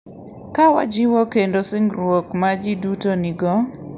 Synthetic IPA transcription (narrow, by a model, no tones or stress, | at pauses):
kawa̰d͡ʒɪwɔkendosɪŋɾwokmad͡ʒidutoniɡɔ